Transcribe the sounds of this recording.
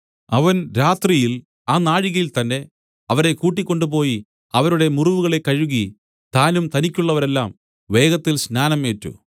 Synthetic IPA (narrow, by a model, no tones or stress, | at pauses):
ɐʋɐnɾaːt̪rijil | aːnaːɻiɣɐjilt̪ɐnːe̞ | ɐʋɐɾe̞kuːʈːikʲːo̞ɳɖupo̞ːji | ɐʋɐɾuɽe̞muruʋuɣɐɭe̞kːɐɻuɣi | t̪aːnumt̪ɐnikʲːuɭːɐʋɐɾe̞lːaːm | ʋe̞ːɡɐt̪ːilsnaːnɐme̞ːtːṵ